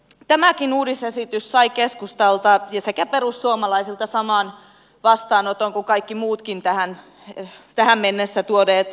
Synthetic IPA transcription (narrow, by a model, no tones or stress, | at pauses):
t̪æmækinuːdisesit̪yssɑikeskust̪ɑlt̪ɑjɑsekæpeɾussuomɑlɑisilt̪ɑsɑmɑːˑn | ʋɑst̪ɑːnot̪oŋkukɑikːimuːt̪kint̪æhæn | t̪æhæmmenːesːæt̪uodeːt̪